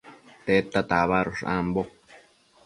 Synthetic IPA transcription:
t̪et̪at̪aβaɾoʂã̰mbo

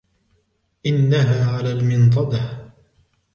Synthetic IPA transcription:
ʔɪnːaɦaːʕalaːlmɪnt̪ˤɑd̪ɑh

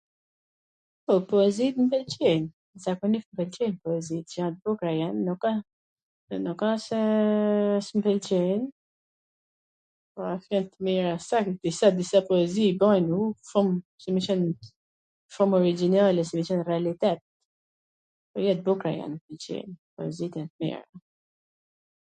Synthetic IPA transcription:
pɔpɔɛzit̪mpɛlt͡ʃɛn | zakɔnifmpɛlt͡ʃɛnpɔɛzit̪t͡ʃãt̪̚bukɾajanːuka | nukasɛ | smpɛlt͡ʃɛn | pɔafjɛnt̪miɾasakd̪isad̪isapɔɛziibɔjnufɔmsɛmit͡ʃɛn | fɔmɔɾid͡ʒinalɛsɛmit͡ʃɛnrɛalit̪ɛt̪̚ | pɔjɛt̪̚bukɾaja̰npɛlt͡ʃɛ̰npɔɛzit̪jɛnt̪mḭɾa

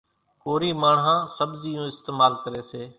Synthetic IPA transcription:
koːɾiːmaːɳɦãːsəbziːjũːɪst̪eːmaːlkəɾeːseː

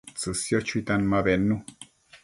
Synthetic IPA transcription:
t͡sɨsjot͡ʃuit̪anmaβenːu

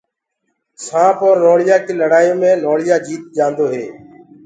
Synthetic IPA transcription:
sãːpoɾnoːɽɪjaːkiːləɽaːiːmẽːnoːɭɪjaːd͡ʒiːt̪̚d͡ʒãːnd̪oːɦeː

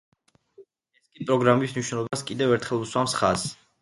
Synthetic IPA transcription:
ɛskʼipʼɾɔɡɾamismniʃwnɛlˠɔbaskʼid̪ɛvɛɾt̪ʰχɛlˠuswamsχaz

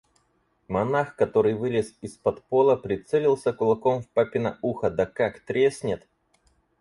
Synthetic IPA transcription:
mɐnaxkɐt̪o̞ɾɨjvɨlʲɪsɪspɐt̪po̞lˠəpɾʲɪt̪sɛlʲɪlˠsʲəkʊlˠɐko̞mfpapʲɪnɐuxəd̪ɐkakt̪ɾʲesʲnʲɪt̪

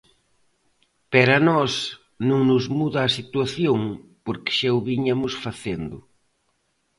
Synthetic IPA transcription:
peɾanɔs | nõŋnʊzmuðaːsit̪waθjoŋpoɾkɪ̥ʃawβiɲamʊsfaθend̪ʊ

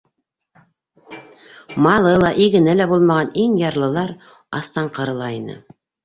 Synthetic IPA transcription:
mɑlˠɤlˠɑʔiɡɘ̆nælæbulˠmɑʁɑniŋjɑɾlˠɤ̆lˠɑɾ | ɑst̪ɑɴqɤ̆ɾɤ̆lˠɑinɤ̰

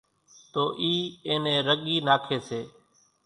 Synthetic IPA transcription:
t̪oːʔiːẽːnẽːɾəɠiːnaːkʰeːseː

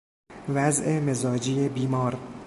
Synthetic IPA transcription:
væzʔemezɒːd͡ʒiːebiːmɒːɾ

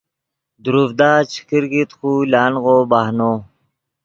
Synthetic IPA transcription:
d̪uɾuvd̪aːt͡ɕʰi̥kiɾɡit̪xuːlaːnɣoːbahnoː

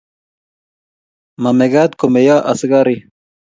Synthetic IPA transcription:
mameɡaːt̪komejaːʔɐsɡaɾi

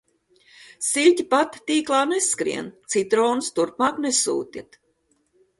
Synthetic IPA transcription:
silʲcʲipat̪t̪iːklˠaːneskɾḭɛnt̪sit̪ɾɔːnust̪uɾpmaːknesṵːt̪ʲit̪

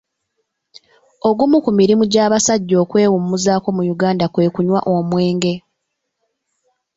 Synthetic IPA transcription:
o̞ɡumukumiɾimuɟaːβasaɟːo̞ːkwe̞ːwumːuzaːko̞mujuɡaːndakwe̞ːkuɲwa̰ʔomwe̞ːŋɡe̞

